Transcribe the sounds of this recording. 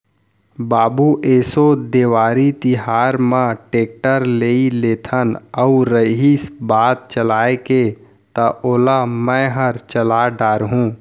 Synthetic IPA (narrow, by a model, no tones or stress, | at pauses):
baːbuʔeːsod̪eːwaːɾit̪ɪɦaːɾmãʈeːk̚ʈəɾleːileːt̪ʰənəʊɾəɦisbaːt̪̚t͡ʃəlaːeke | t̪ɐʔoːlamə̃ɦəɾt͡ʃəlaːɖaːɾɦũː